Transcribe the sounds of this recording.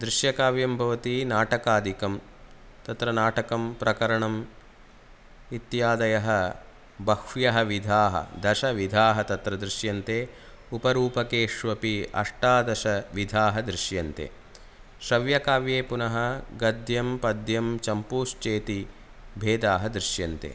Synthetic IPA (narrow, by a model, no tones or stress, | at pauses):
d̪ɾɪʃjɐkaːʋjɐmbʱɐʋɐt̪inaːʈɐkaːd̪ʱikɐm | t̪ɐt̪ɾɐnaːʈɐkɐmpɾɐkɐɾɐɳɐm | it̪jaːd̪ɐjɐɦɐ | bɐkʃjɐɦɐʋid̪ʱaːɦɐ̰d̪ɐʃɐʋid̪ʱaːɦɐt̪ɐt̪ɾɐd̪ɾɪʃjɐnt̪eː | upɐɾuːpɐkeːʂʋɐpiɐ̰ʂʈaːd̪ɐʃɐʋid̪ʱaːɦɐd̪ɾɪʃjɐnt̪ḛː | ʃɾɐʋjɐkaːʋjeːpunɐɦɐɡɐd̪jɐmpɐd̪jɐmt͡ʃɐmpuːʃt͡ʃeːt̪i | bʱeːd̪aːɦɐd̪ɾɪʃjɐnt̪ḛː